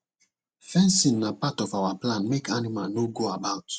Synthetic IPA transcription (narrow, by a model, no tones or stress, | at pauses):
fɛ̃nsĩnːapatɔfawaplãnmekʰanimalnoɡoabaʊt